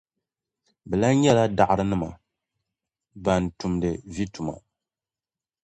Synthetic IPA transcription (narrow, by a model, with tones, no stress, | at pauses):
bɛ˨la˦ɲɛ˦la˦da˨ʔɾɨ˦nɨ˦ma˨ | ba˨n˨tu˨mdɨ˨vi˦tu˨ma̰˨